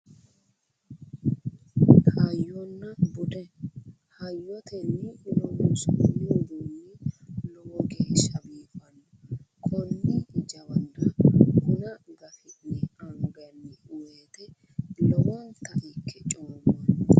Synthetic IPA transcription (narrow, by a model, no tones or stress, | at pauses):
kʰʼɐjɔnːɐbʊd̪ɛ | hɐjːɔt̪ʰɛnːɪlɔwusnːɪd̪unːɪlɔwɔɡeːʃɐbiːfɐnːɔkʼɔnːɪd͡ʒɐwɐnd̪ɐkʊnɐɡɐfɪnɪɐŋɡɐnːɪʊweːt̪ɛ | lɔwɔnt̪ːɐʔikʰːɛt͡ʃʼoːmɔn